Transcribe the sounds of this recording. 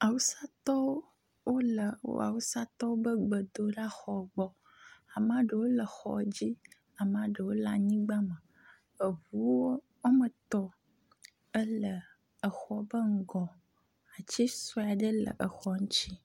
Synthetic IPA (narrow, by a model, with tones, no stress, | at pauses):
a˨wu˦sa˦t̪ɔ˦w | wo˦lə˨o̰˦a̰˨wu˦sa˦t̪ɔ˦wo˦bə˦ɡ͡bə˨d̪o˦ɖa˦xɔ˨ɡ͡bɔ˨ | a˨mã˨˦ɖə˨wo˦lə˨xɔ̰˨d͡ʑi˦ | a˨mã˨ɖə˨wo˦la˨ɲĩ˦ɡ͡ba˦mə˨ | ə˨vu˦wo˦ | wo˦mə˨t̪ɔ˦ | ə˦lə˨ | ə˨xɔ˨bə˦ŋ̩˦ɡɔ˨ | a˨t͡ɕi˦sɔ˦˨a˨ɖə˦lə̰˨ʔə˨xɔ˨ŋũ˦t͡ɕi˦